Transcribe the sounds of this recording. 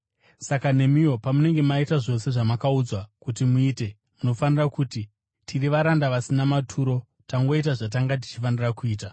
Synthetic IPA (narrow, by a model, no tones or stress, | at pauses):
sakane̞mijo̞pamune̞ŋɡe̞maitaʐo̞se̞ʐamakaud͡zwakutimuiːte̞ | muno̞fanirakuti | tʰiriʋaɾandaʋasinamatʰuːɾo̞ | taŋɡo̞it̬aʐat̬aŋɡat̬i̥t͡ʃifanirakuiːta